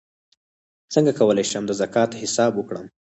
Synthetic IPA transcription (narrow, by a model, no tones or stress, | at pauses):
t͡səŋɡakawəlajʃamd̪əzakɑt̪hɪsɑbwəkɽəm